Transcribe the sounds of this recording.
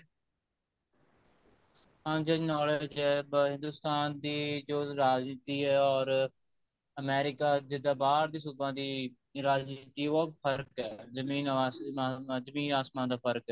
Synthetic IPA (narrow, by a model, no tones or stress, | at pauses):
ãːnd͡ʒəd͡ʒnɔːleːd͡ʒɛːɦɪ̃nd̪uːst̪aːnd̪iːd͡ʒoːɾaːd͡ʒnɪt̪iːɛːɔːɾ | əmɛːɾɪkaːd͡ʒɪd̪ãːbaːɾd̪iːsuːbãːd̪iː | ɾaːd͡ʒniːt̪iːoːpʰəɾkɛːzəmĩːnː | zəmĩːnaːsmãːd̪aːpʰəɾkɛː